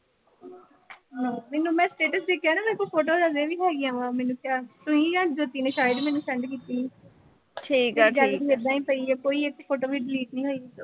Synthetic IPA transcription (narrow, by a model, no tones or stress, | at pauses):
ɦaːmɛːnũːmɛ̃ːsʈeːʈəsd̪eːkʰjaːnãːmɛ̃koːpʰoːʈ̬oːɾəzẽːʋiːɦɛːɡɪjãːʋaːmɛːnũːkjaːt̪ʊɦĩːjãːd͡ʒoːt̪iːnẽːʃaːjəɖmɛːnũːsɛ̃ɳɖkiːt̪iː | ʈʰiːkɛːd͡ʒɛːlied̪ãːĩːpəiɛːkoːiːɪkpʰoːʈoːʋiːɖɪliːʈ̚nĩːɦoːit̪oː